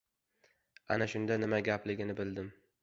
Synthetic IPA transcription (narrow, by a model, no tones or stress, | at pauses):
anaʃʊnd̪anɪmaɡʲaplɪɡʲɪnɪbɪld̪ɪm